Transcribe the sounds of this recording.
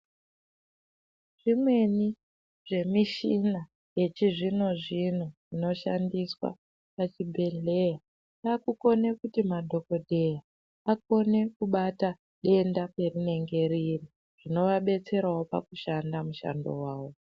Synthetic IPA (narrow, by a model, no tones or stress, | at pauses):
ʐ̥imwe̞ni | ʐ̥e̞miʃina | je̞t͡ʃiʐino̞ʐin̤uʐino̞ʃandiswa̰ | pat͡ʃibʱe̞ɮe̞ja | akuko̞ne̞kutimadʱo̞ko̞dʱe̞ja | ak̚o̞ne̞kuɓata | ɗe̞ndake̞rine̞ŋɡe̞riri | ʐ̥ino̞ʋaɓe̞t͡se̞ɾawo̞pa̰kuʃandamuʃa̰ndo̞̰waːwo̞